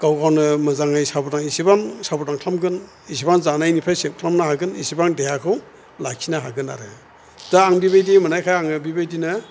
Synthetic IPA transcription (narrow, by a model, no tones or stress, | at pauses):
ɡ̥awɡawnɯmɯzaŋɯjsabɔtaŋisibaŋsabɔtaŋkʰlamɡɯn | isibanzanajnipʰajsep̚kʰlamnaɦaɡɯnisibaŋdejakʰɯw | lakʰinaɦaɡɯna̰ɾɯ | daaŋbibajdimɯnajkʰajaŋɯbibajdinɯ